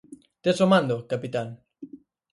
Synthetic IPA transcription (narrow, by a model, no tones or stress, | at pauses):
t̪esomãnd̪okapit̪aŋ